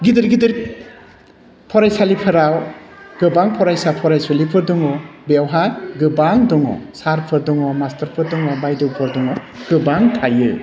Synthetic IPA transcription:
ɡidɯɾɡidɯɾ | pʰɔɾajsalipʰɯɾawɡ̥ɯbaŋpʰɔɾajsapʰɔɾajsɔlipʰɯɾdɔŋɔbewɦaɡɯbaŋdɔŋɔ̰saɾpʰɯɾdɔŋɔmastʰɐɾpʰɯɾdɔŋɔbajdɯpʰɯɾdɔŋɔ | ɡ̥ɯbaŋtʰajɯ

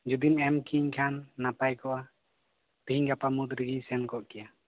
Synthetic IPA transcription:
d͡ʒud̪inɛmkiɲkʰanːapajkɔʔa | p̪hiŋɡapamud̪ɾiɡisɛnkɔʔkɛja

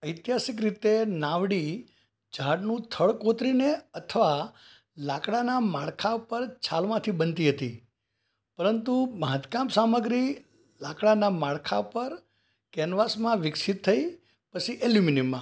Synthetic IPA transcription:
əjt̪jasik̬ɾit̪enãʋɽi | d͡ʒaɽnũt̪ʰəɭkot̪ɾineət̪ʰəʋa | lakɽanamaɭkʰapəɾt͡ʃʰalmãt̪ʰibənt̪iɦət̪i | pəɾənt̪umãt̪kãmsaməɡɾi | lakɽanamaɭkʰapəɾ | kɛnʋasmãʋɪksɪt̪ʰːəi | pət͡ʃʰiʔeljuminimːã

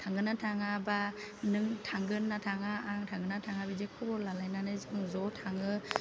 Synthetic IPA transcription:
tʰaŋɡɯnatʰaŋaba | nɯŋtʰaŋɡɯnːatʰaŋaːŋtʰaŋɡɯnatʰaŋabid͡ʒekʰɔbɔɾlalajnanɯzɯŋzɔtʰaŋɯ

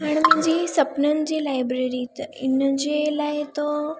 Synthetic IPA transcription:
aɽ̃im̤əɲd͡ʑisəpnənd͡ʑilajbɾeɾit̪inːəd͡ʑelaɦet̪o

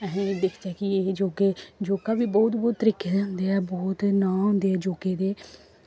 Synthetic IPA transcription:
ɛɦẽd̪ɪkʰd̪ɛːkieːd͡ʒoːkeːd͡ʒoːkaːbiːbɔːt̪bɔːt̪ːəɾiːkeːd̪eɦʊ̃nd̪eːɛːbɔːt̪nãːɦʊ̃nd̪eːɛːd͡ʒoːkeːd̪eː

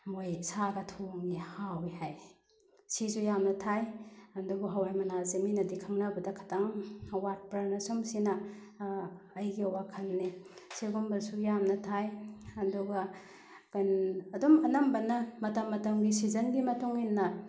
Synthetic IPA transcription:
mojsaɡɐtʰoŋihawihaj | sizujamnɐtʰajɐndubuɦawajmɐnazeminɐdikʰɐŋnɐbɐdɐkʰḁtʰaŋwat̚pɾɐnɐsumsinɐ | jɡiwakʰɐnːisiɡumbɐɾsujamnɐtʰajɐnduɡɐ | kanɐdumɐnɐmbɐnɐmɐtɐmːɐtɐmɡisizɐnɡimɐtuŋinːɐ

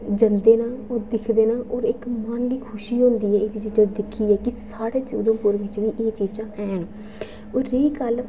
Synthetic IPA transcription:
d͡ʒənd̪eːnãːɔːɾd̪ɪkʰd̪eːnãːʔɔːɾɪkmənliːkʰʊʃiːɦõːnd̪iːɛːeːd̪iːd͡ʒiːd͡ʒaːd̪ɪkʰːiːɛːkɪsaːɽeːt͡ʃuːd̪õːkʊɾʋɪt͡ʃʋiːʔeːt͡ʃiːt͡ʃãːʔɛːn | oːɾːeiːkəl

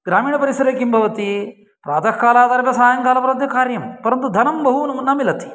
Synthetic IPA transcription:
ɡɾaːmiːɳɐpɐɾisɐɾeːkimbʱɐʋɐt̪i | pɾaːd̪ʱɐkkaːlaːd̪ɐɾbɐsaːjɐŋkaːlɐpɐɾɐd̪jɐkaːɾjɐmpɐɾɐnt̪ud̪ʱɐnɐmbɐɦunɐnɐmilɐt̪i̥

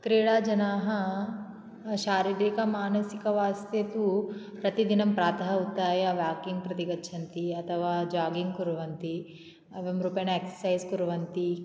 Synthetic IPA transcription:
kɾiːɽaːd͡ʒɐnaːɦɐ | ʃaːɾiɖiːkɐmaːnɐsikɐʋaːst̪ɐt̪upɾɐt̪id̪inɐmpɾaːt̪ʰɐɦɐut̪ːaːjɐʋjaːkiŋɡ̚pɾɐt̪iɡɐtːʃʰɐnt̪iɐt̪ʰɐʋaːd͡ʒaːɡiŋɡkuɾuʋɐnt̪i | ɐʋɐmɾuːpɐjɐnɐeksɐ̥sɐjzkuɾuʋɐnt̪i

